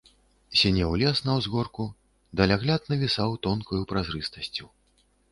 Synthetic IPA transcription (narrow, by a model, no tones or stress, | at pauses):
sʲɛnʲɛwlʲɛsnɐwzɣɔrku | d̪ɐlʲaɣlʲat̪nɐvʲisawt̪ɔnkujupɾazɾɨst̪ɐsʲt͡sʲu